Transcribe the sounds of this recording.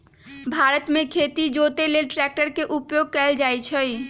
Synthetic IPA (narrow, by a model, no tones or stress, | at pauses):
bʱaɾət̪mẽkʰet̪id͡ʒot̪elelʈɾɛk̚ʈəɾkeʔupjoɡ̚kɛld͡ʒajt͡ʃʰəj